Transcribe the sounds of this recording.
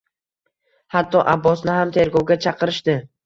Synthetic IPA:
hat̪ʰːɒʔabːɒsnɪɦamt̪ʰe̞ɾɡɒwɡʲat͡ʃʰɑqɨɾɪʃd̪ɪ

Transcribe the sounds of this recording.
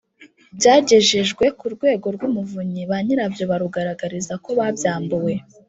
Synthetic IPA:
bjaːɟe̞ʒeʒɡwe̞kuɾɡwe̞ːɡo̞ɾɡwumuvuɲiβaɲiɾabjo̞βaɾuɡaɾaɡaɾizako̞βabjaːmbuwe̞

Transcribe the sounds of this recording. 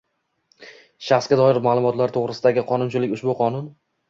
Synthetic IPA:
ʃaχsɡʲad̪ɒɪɾmaːlˠʊmɒt̪laɾt̪ʰoʁɾɪsɪd̪aɡʲɪqʰɒnʊnt͡ʃʰɪlɪkʲʊʃbʊqʰɒnʊn

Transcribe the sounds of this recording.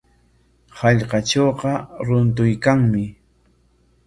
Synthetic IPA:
hɑʎqɑt͡ʃoːqɑɾʊnt̪̬ʊjkaŋmɪ

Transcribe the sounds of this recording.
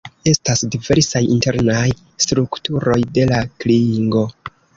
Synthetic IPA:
e̞stasdive̞ɾsajḭnte̞ɾnaj | stɾuktuɾo̞jde̞lakliiŋɡo̞

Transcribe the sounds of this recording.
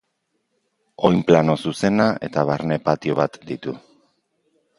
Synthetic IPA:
o̞jmplano̞suse̞nae̞̰t̪aβ̞aɾne̞pat̪io̞βat̪d̪it̪u

